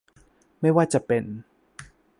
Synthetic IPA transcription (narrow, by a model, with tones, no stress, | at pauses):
ma˥˩jwaː˥˩t͡ɕa˨pe˧n